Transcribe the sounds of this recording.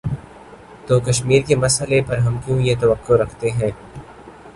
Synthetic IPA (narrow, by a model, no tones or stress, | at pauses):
t̪oːkɐʃmiːɾkemɐsəlepɐɾɦɐmkjũːjet̪ɐʋɐkːoɾɐkʰt̪eɦɛ̃ː